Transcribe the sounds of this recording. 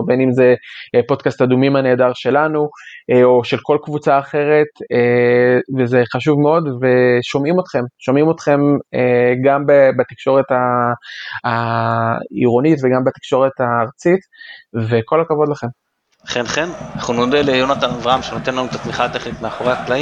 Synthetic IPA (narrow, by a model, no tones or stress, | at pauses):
benimzepo̞dkastadumimane̞ːdaʁʃe̞lanuo̞ʃe̞lko̞lkvut͡saːχe̞ʁe̞t̪evezeχaʃuvmeo̞dve̞ʃo̞mimo̞t̪χe̞mʃo̞mimo̞t̪χe̞meɡambebat̪ikʃo̞ʁe̞taː | ḭʁo̞nitveɡambat̪i̥kʃo̞ʁe̞t̪aːʁt͡sit | veko̞lakavo̞dlaχe̞m | χenχenaχunodelejonat̪anavʁaamʃenot̪enlanut̪at̪miχat̪eχnit̪meaχoʁaklai